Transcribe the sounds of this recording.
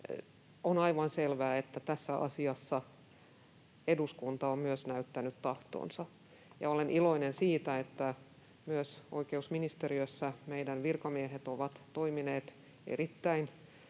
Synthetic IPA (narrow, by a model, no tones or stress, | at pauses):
onɑiʋɑnselʋæːet̪ːæt̪æsːæʔɑ̰siɑsːɑ | eduskunt̪ɑommyøsnæyt̪ːænyt̪t̪ɑht̪o̰ːnsɑ | jɑolenʔilo̞inensiːt̪æet̪ːæ | myøsoikeusminist̪eɾiøsːæmeidænʋirkɑmieɦet̪oʋɑt̪toimineːt̪ | ḛrit̪ːæin